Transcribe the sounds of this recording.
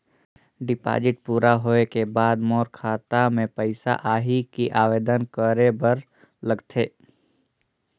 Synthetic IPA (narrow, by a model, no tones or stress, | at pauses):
ɖɪpa̰ːd͡ʒɪʈ̚puːɾaɦoːekebaːd̪moːɾkʰaːt̪amẽpəɪsa̰ʔaːɦikiʔaːʋeːd̪ənkəɾebəɾ | ləɡt̪ʰeː